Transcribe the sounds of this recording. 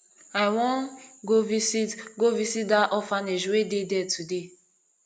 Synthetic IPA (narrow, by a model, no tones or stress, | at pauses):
awɔ̃nɡovisitɡovisitdaʔɔfaneʃwededɛtʰude